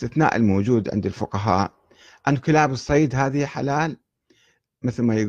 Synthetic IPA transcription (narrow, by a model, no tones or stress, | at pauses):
t̪ɪθna̰ːʔɪ̰lmoːd͡ʒuːd̪ʕɪ̰nd̪ɪlfʊqɑɦa̰ːʔ | ʔanːkɪlaːbɨsˤːɑjd̪ɦaːðiħa̰laːl | mɪθlmajɪɡ